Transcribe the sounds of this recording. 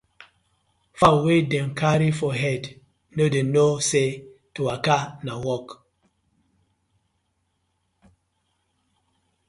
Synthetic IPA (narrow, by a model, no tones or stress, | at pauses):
fawedɛ̃mkʰaɾifɔɦɛd | nodenosetuakanawɔk